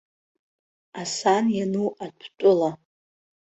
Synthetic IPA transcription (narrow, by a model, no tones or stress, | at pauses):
asanjanuatʷʰtʷʼʊla